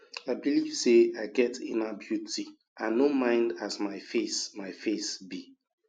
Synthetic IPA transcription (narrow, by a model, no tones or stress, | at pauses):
aɪbiliv̥seaɪɡɛtĩnabjuti | ʔãnomãɪ̃ndasmaɪfesmaɪfesbi